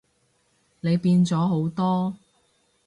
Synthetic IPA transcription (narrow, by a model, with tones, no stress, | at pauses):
ne˨˧jpiː˧nt͡sɔː˨˥ɦo˨˥wt̪ɔː˥